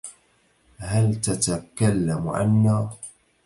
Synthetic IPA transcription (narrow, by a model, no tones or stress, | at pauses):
halt̪at̪akalːamʕa̰nːaː